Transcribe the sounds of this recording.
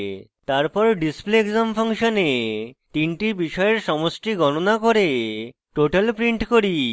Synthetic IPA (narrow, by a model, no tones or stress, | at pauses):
t̪aɾpɔɾɖisplieɡzamfʰaŋʃonet̪iɳʈibiʃɔeeɾʃɔmosʈiɡɔnonakoɾe | ʈoʈalpɾiɳʈkoɾi